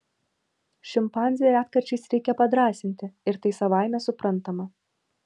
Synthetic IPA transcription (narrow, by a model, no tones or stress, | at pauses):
ʃʲɪmpɑːnʲzʲɪjɛæːt̪kɐɾʲt͡ʃʲɛɪsɾʲɛɪkʲɛpɐd̪ɾɑːsʲɪnʲt̪ʲɪɪɾt̪ɐɪsɐʋɑˑɪmʲɛsʊpɾɐnt̪ɐmɐ